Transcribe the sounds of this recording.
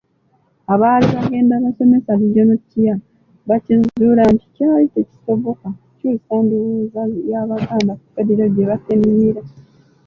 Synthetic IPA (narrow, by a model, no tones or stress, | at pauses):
aβaːliβaɡe̞ːndaːβaso̞me̞saβiɟonocːija | βacizuɾanti̥caalite̞ci̥so̞βo̞ka | cusaːnduβuːzajaːβataːmdaku̥fediɾaɡeβaseniɾa